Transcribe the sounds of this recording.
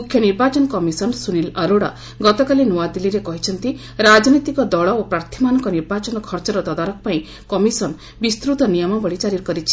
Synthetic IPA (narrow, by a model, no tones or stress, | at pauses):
mukʰːjɔniɾbat͡ʃɔnɔkɔmisɔnsunilɐɾoɽa | ɡɔt̪ɔkalinuwad̪iliɾekɔɦit͡ʃʰɔnt̪i | ɾad͡ʒɔnit̪ikɔd̪ɔɭɔopɾaɾt̪ʰimanɔŋkɔniɾbat͡ʃɔnɔkʰɔɾt͡ʃɔɾɔt̪ɔd̪aɾɔkɔpaĩ | kɔmisɔn | bist̪ɾut̪ɔnijɔmɔbɔɭit͡ʃaɾiɾkɔɾit͡ʃʰi̥